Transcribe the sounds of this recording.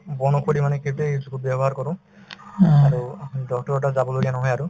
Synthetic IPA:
bɔnɔkʰoɽimanɛkʰiteesukubjɔbɔɦaɾkɔɾʊ̃ | aɹudɔk̚tɔɹɔʈazabɔloɡijanɔɦɔjaɾu

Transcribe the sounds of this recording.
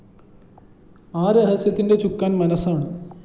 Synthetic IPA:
aːɾeɦɐsjɐt̪ːinde̞t͡ɕukːaːnmɐnɐsaːɳɨ

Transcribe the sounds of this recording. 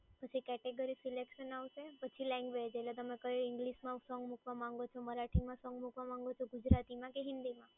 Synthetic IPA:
pət͡ʃʰikɛʈeɡəɾisilekʃənaʋʃepət͡ʃʰilɛ̃ŋɡʋed͡ʒelet̪əmekəɾiɪŋɡliʃmãsɔ̃ŋɡmukʋamãŋ̆ɡot͡ʃʰoməɾaʈʰimãsɔ̃ŋɡmukʋamãŋɡot͡ʃʰoɡud͡ʒɾat̪imãkeɦɪnd̪imã

